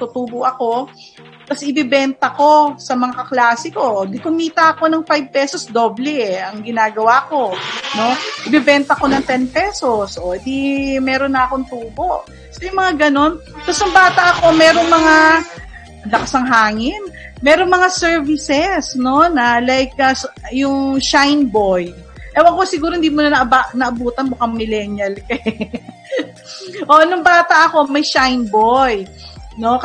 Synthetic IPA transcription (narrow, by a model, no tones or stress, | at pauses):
t̪ut̪uːboʔɐko̞ | t̪ɐsʔɪbɪbɛnt̪ɐko̞sɐmɐŋakɐklaːsɪko̞ɡ̪ɪkʊmiːt̪ɐʔɐko̞nɐŋfajb̚pɛːso̞sd̪o̞ːblɛɐŋɡɪnaːɡɐwako̞no̞ʔɪbɪbɛnt̪ɐko̞nɐŋt̪ɛnpɛso̞sʔod̪imɛːɾo̞nːɐɐko̞ŋt̪uːbo̞ʔ | sojʊŋmɐŋaɡɐno̞nt̪ɐsɐŋbaːt̪ɐʔɐko̞mɛːɾo̞ŋmɐŋa | ɐlɐkɐsɐŋɦaːŋɪnmɛːɾoŋmɐŋasɛɹvɪsɛsno̞nɐlajk̚ɐsjʊŋʃajnboj | ʔɛwɐɡ̚kosɪɡuːɾohɪnd̪iːmonɐnɐʔbaʔnɐʔɐbuːt̪ɐnmʊkɐŋmɪlɛnjɐlkɐ | ʔo̞nʊŋbaːt̪ɐʔɐko̞mɐjʃajnboj | no̞k